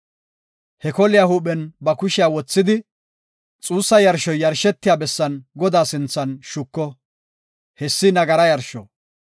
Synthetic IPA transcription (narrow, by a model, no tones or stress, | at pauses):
hɛkɔlɪjahuːɓɛnbɐkʊʃɪjawɔt͡sːɪd̪ɪ | t͡sʼuːsːɐjɐɾʃɔjːɐɾʃɛt̪ːɪjaːbɛsːɐnɡɔd̪aːsɪnt͡sːɐnʃʊkːɔ | hɛsːɪnɐɡɐɾɐjɐɾʃɔ̰